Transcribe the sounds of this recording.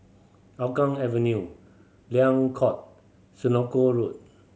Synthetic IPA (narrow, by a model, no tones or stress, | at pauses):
akãŋɛvə̃nju | liãŋkʰɔt̚ | sinokoɹut̚